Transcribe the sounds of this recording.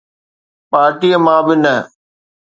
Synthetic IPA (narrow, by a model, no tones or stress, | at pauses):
paːɾʈiːəmãːbɪnə